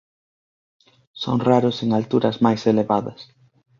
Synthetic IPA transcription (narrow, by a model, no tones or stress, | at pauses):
so̰ŋraɾʊseŋalt̪uɾɐzmajseleβaðɐ̰s